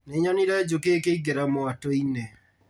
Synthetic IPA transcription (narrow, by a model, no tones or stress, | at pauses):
neɲɔniɾɛd͡ʒokekeiɡeɾamoatoine